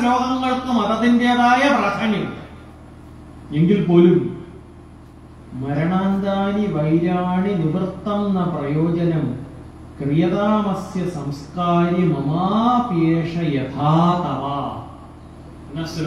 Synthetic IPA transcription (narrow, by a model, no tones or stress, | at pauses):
ɾoːɡʱɐŋːɐɭkɨmɐðɐðindeːðaːjɐprɐːt̪ʰɐɳjɐ | eŋɡilpo̞ːlum | mɐɾɐɳaːnd̪aːniʋɐjɾaːɳiniʋrt̪ːɐmnɐprɐjoːd͡ʑɐnɐm | krijɐðaːmɐsjɐsɐmskaːɾimɐmaːpeːʂɐjɐt̪ʰaːt̪ɐʋaː | nːɐs